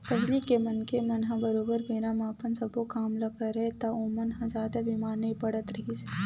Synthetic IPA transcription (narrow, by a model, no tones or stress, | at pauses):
pɐɦlikemɐnkemɐnɦãbɐɾoːbəɾbeːnamãːpənsɐbokaːmlakɐɾɛet̪aõmɐnɦãzjaːd̪abimaːɾnɐĩpɐɽət̪ɾɐɦise̥